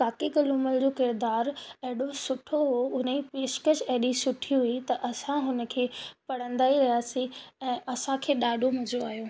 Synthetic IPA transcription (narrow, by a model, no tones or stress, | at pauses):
kaːkiɡɐlʊməld͡ʑoːkɪɾd̪aːɾɛɦɪɗosʊʈʰoɦoʊnepeːʃkəʃɐɦɗisʊʈʰiɦʊit̪ɐʔɐsãɦʊnə̆kʰeːpɐɽ̤ə̃nd̪aːiɾɐɦjaːsĩɛ̃ːʔɐsãkʰeːɗaːɖʱomɐzoaːɦijoː